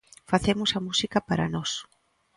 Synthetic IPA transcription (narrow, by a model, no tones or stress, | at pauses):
faθemʊsɐmusikɐpaɾɐ̰nɔs